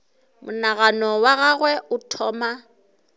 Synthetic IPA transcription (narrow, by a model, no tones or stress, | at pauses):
mʊnaɣanɔwaɣaɣwɛʊtʰɔːma